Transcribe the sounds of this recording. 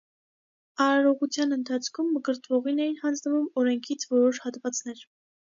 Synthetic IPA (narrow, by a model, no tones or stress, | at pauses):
ɑɾɑɾɔʁut͡sʰjɑnənt̪ʰɑt͡sʰkʰumːəɡəɾt̪vɔʁinɛjinhɑnd͡znəvumɔɾɛŋkʰit͡sʰvɔɾɔʃhɑt̪vɑt͡sn̪ɛɾ